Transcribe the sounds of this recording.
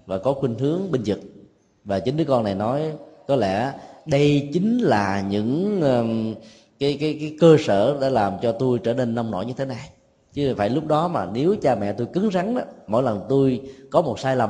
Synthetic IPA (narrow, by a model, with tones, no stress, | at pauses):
vaː˨˩kɔ˨˦xwi˧ŋhɨ˨˦əŋɓi˧nzɨ˨˩t̚ | vaː˨˩t͡ɕï˨˦ŋ̟ɗɨ˨˦əkɔ˧nːa˨˩jnɔ˨˦jkɔ˨˦lɛ̰˧˩ɗə˧jt͡ɕï˨˦ŋ̟laː˨˩ɲɨ̰˧˥ŋː˧ | kaː˨˦jkaː˨˦jkaː˨˦jkəː˧sə̰ː˧˩ɗa̰ː˧˥laː˨˩mt͡ɕɔ˧t̪u˧jʈ͡ʂəː˧˩ne˧nːa˧wŋ͡mno̰˧˨jɲɨ˧t̪ʰe˨˦na˨˩j | t͡ɕɨ˨˦faː˧˩jlʊ˦˥k͡p̚ɗɔ˨˦maː˨˩ne˨˦wt͡ɕaː˧mɛ̰˧˨t̪u˧jkɨ˨˦ŋza˨˦ŋɗa˨˦mo̰˧˥˨jlə˨˩ŋt̪u˧jkɔ˨˦mo˨˩t̚saː˧jlə˨˩